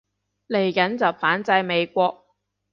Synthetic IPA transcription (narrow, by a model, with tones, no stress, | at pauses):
le˨˩jkɐ˨˥nt͡sɐ˨˩wfaː˨˥nt͡sɐ˧jme˨˧jkʷɔː˧k̚